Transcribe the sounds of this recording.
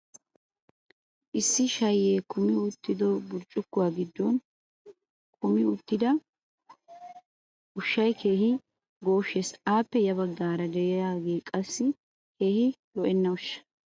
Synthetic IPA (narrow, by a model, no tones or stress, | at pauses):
ʔɪsːɪʃɐjːeːkʊmɪʊt̪ːɪd̪ɔbʊɾt͡ʃʼːʊkːʊwaːɡɪd̪ːɔn | kʰʊmɪʊt̪ːɪd̪ɐ | ʊʃːɐjkʰe̞ːhɪ | ɡo̞ːʃːesaːpːɛjɐbɐɡːaːɾɐd̪ɛjjaːɡe̞ːkʼɐsːɪ | ke̞ːhɪlɔʔɛnːɐʊʃːɐ̥